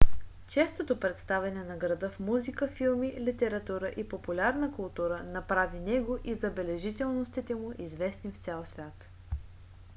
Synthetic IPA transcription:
t͡ʃɛst̪ot̪opɾɛt̪st̪avɛnɛnɐɡɾɐd̪əfmuzikəfilˠmilit̪ɛɾɐt̪uɾəʔipopulʲaɾnəkʊlˠt̪uɾənɐpɾavinɛɡoʔizɐbɛlɛʒit̪ɛlˠnost̪it̪ɛmʊʔizvɛsnift̪sʲɛlˠsvʲjat̪

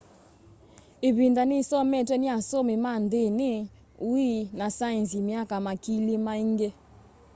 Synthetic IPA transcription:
eβindanisɔmɛtwɛniasɔmimandenɪ | uinasanzimiakamakilimaiŋɡe

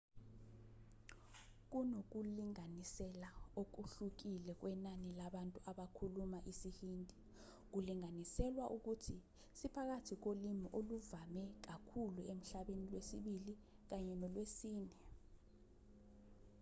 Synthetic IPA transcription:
k̬unok̬uliŋanisɛlaok̬uɬuk̬ilɛk̬wɛnanilaɓantʼuaɓakʰulumaʔisihiːndʼʱi | k̬uliŋanisɛlwaʔuk̬utʰi | sipʰak̬atʰik̬olimiʔoluvamɛk̬akʰuluem̩ɬaɓenilwesiɓili | k̬aɲɛnɔlwesiːnɛ

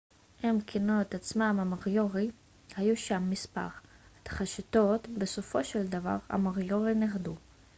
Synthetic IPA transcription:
emkʰinuet̪at͡smamamaʁjo̞ʁi | hajuʃamːispa̰ʁt̪ḁχaʃit̪o̞t̪beso̞fo̞ʃeld̪ava̰ʁha̰maʁjo̞ʁineʁd̪u

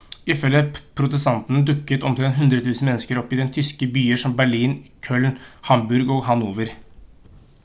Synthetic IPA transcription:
ɪfɛlːəpʰɾʊt̪əst̪ɑnt̪n̩əd̪ʉkːət̪ɔmt̪ʰɾɛnt̪ɦʉnd̪ɾət̪ʰʉːsn̩mɛnːskəɾɔpːɪd̪ɛnt̪ʰʏskəbyːəʂɔmbæɭiːnkʰœlnhɑmbʉɾɡoːɦɑnuːʋəɾ

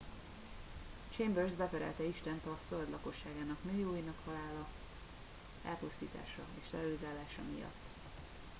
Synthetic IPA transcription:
t͡ʃeːmbørzbɛvɛɾɛ̰lt̪ɛiʃt̪ɛnt̪ɒføld̪lɒko̞ʃːaːɡaːnɒkmøːjoːjinɒkhɒlaːlɒ | ɛ̰lpust̪ḭːt̪a̰ːʃɒeːʃrɛɒlizaːlaːʃɒ̰mḭjɒ̰t̪ː

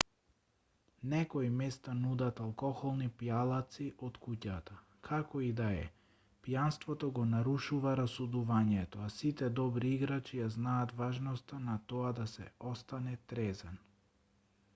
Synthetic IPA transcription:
nɛkɔimɛst̪anud̪at̪alˠkɔxɔlˠnipijalˠat̪siʔɔt̪kucat̪a | kʰakɔid̪aɛ̰ | pjanst̪vɔt̪ɔɡɔnaɾuʃuvaɾasud̪uvaɲɛt̪ɔasit̪ɛd̪ɔbɾiiɡɾat͡ʃijaznaːt̪vaʒnɔst̪anat̪ɔad̪asɛ̰ɔst̪anɛt̪ɾɛzɛn

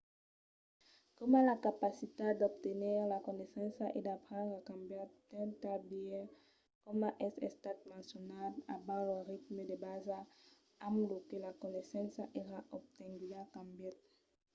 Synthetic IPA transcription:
kɔmãlakapasit̪ad̪ɔb̚t̪eniʁlakɔnesɑ̃saʔḛd̪apχɑ̃nd̪ʁakɑ̃mbjat̪̚d̪ɛ̃t̪abiɛ | kɔmãʔɛsɛ̰st̪at̪̚mɑ̃sjɔnada̰bɑ̃ləʁit̪məd̪ebaza | ãmlokelakɔnesɑ̃saʔeʁaʔɔb̚t̪ɛ̃ŋɡyakãmbjɛt̪̚

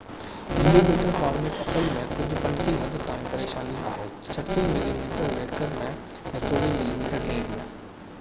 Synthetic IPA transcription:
mɪlimiːʈəɾfaːɾmẽɐpəlmẽkʊd͡ʑʱʊpɐ̃ɳʈimɐd̪ət̪ːãːĩpɐɾeːʃaːnia̰ːɦeː | t͡ɕʰɐʈʰːimɪlimiːʈəɾleːkəɾmɛ̃ | ɛ̃ːt͡ɕoːʋimɪlimiːʈəɾɖeːɾmẽː

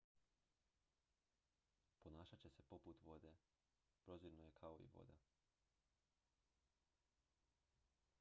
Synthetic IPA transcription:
ponaːʃat͡ɕese̞po̞put̪ʋo̞d̪e̞ | pɾo̞ziɾnoje̞kʰaoḭʋo̞̰d̪a

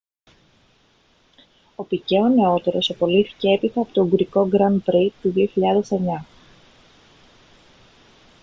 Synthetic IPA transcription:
o̞pice̞one̞o̞t̪e̞ɾo̞sɐpo̞liθi̥ce̞e̞pit̪ɐpot̪o̞ɡuɾiko̞ɡɾɐnbɾit̪ːuðio̞çiʎɐðe̞se̞ɲɐ

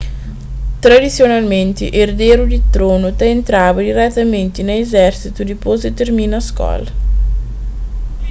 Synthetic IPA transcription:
t̪ɾad̪it̪sːjonalment̪ḭʔerd̪eːɾud̪it̪ɾoːnot̪aent̪ɾaːvad̪iɾɛt̪ːament̪inejezɛrt͡ʃit̪ud̪ipozet̪ermiːnaskɔ̰l

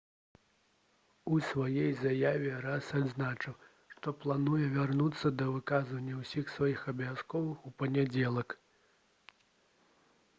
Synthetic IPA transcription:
usvajɛjzajavʲɛɾasad̪znat͡ʂɨw | ʂt̪ɔplˠanujɛvʲarnut̪sːɐd̪ɐvɨkazvɐnʲːɐwsʲixsvajixɐbjʲaskɔvɨxupɐnʲad͡zʲɛlˠɐk

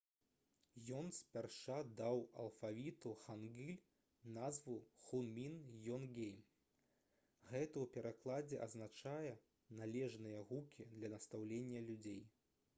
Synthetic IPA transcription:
jɔnsʲpʲarʂad̪awɐ̰lˠfavʲit̪uxanɡʲilʲ | nazvuxunmʲinjɔnɡʲejm | ɣɛt̪ɐwpʲɛɾʔaklˠad͡zʲɛʔɐ̰znat͡ʂajɛ | nalʲɛʐnɨjɐɣukʲʰid̪lʲɐnɐst̪awlʲenʲːɐlʲud͡zʲej

